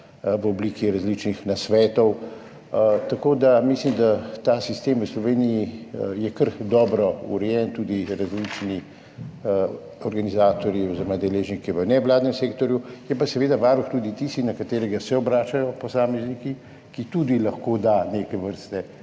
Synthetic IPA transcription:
ʋəɔbliːkiɾazlit͡ʃnixnasʋɛːt̪ɔw | t̪akoːd̪amislimd̪at̪aːsist̪eːmʋəslɔʋeːnijijɛkəɾd̪ɔːbɾɔṵɾɛjɛnt̪ud̪iɾazlit͡ʃni | ɔɾɡanizaːt̪ɔɾjiɔziɾɔmad̪ɛleːʒnikɛʋənɛʋlaːd̪nɛmseːkt̪ɔɾjujɛpasɛʋeːd̪aʋaːɾuxt̪uːd̪it̪ist̪ixnɐkat̪eːɾɛɡasɛɔbɾaːt͡ʃajɔpɔsaːmɛzniki | kit̪ud̪ilɐxkoːd̪anekɛʋəɾst̪ɛ

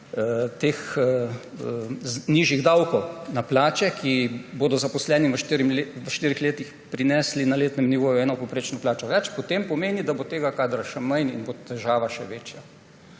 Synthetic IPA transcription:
t̪eːx | niːʒjiɣd̪awkɔwnaplaːt͡ʃɛkʰiboːd̪ɔzapɔslɛːniʋəʃɾʋəʃt̪iːɾixleːt̪ix | pɾinɛslinaleːt̪nɛmniʋoːjuɛːnɔpowpɾeːt͡ʃnɔplaːt͡ʃɔʋɛt͡ʃpɔt̪empɔmeːnid̪abot̪eːɡakaːd̪ɾaʃɛmɐjnḭnbot̪ɛʒaːʋaʃɛʋeːt͡ʃja

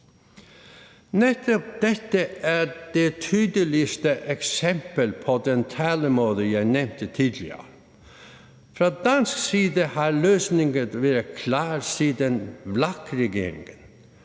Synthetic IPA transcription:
nɛt̪ʰɔp̚d̪̥ɛt̪ːəæd̥et̪ʰyːd̪əlɪst̪əʔɛksɛmpəlpʰɔd̪ɛnt̪ʰæːləmoːðəjæɪnɛmt̪ət̪ʰiːd̪lɪə̰ɾ | fɾɑd̪ɑnsksiːd̪əhɑɾløːsnɪŋənʋæːɾəkʰlɑːɾsiːd̪ənʋlɑkɾɛɡeːɾɪ̰ŋən

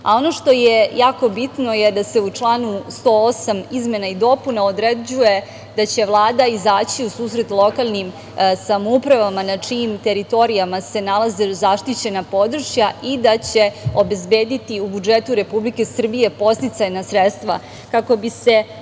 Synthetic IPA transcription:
a̰o̞no̞ʃt̪o̞jejaːko̞bit̪no̞jed̪ase̞ut͡ʂlˠaːnust̪oosamizme̞naid̪o̞punaod̪ɾed͡ʑuje̞ | d̪at͡ɕe̞ʋlˠaːd̪aizaːt͡ɕiusuːsɾe̞t̪lˠo̞kalˠnim | samoupɾaʋamanat͡ʂimt̪e̞ɾit̪o̞ɾijamase̞nalˠazezaʃt̪it͡ɕe̞napo̞d̪ɾʂjaʔid̪at͡ɕeo̞be̞zbeːd̪it̪iubud͡ʒet̪uɾe̞publike̞sr̩bije̞po̞st̪it̪sajnasɾet̪st̪ʋa̰ | kako̞bise̞

